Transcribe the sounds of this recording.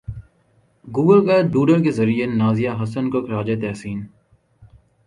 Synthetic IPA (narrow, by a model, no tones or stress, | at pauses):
ɡuːɡəlkaːʈ̪̚buːɖəɾk̬ezɐɾienaːzijaɦɐsənkokɾaːd͡ʒet̪ɛːsiːn